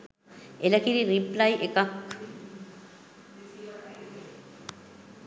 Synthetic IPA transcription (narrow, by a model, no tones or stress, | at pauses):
eləkiɾiriplajʔekak